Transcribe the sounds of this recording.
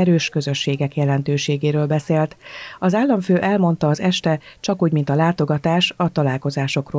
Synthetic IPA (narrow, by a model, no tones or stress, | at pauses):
ɛɾøːʃkø̞zø̞ʃːeːɡɛkjɛlɛnt̪øːʃeːɡeːɾøːlbɛseːlt̪ɒzaːlːɒɱføːʔɛlmo̞n̪t̪ɒːzɛʃt̪ɛt͡ʃɒkuːɟmint̪ɒlaːt̪o̞ɡɒt̪aːʃɒt̪ɒlaːlko̞zaːʃo̞kroː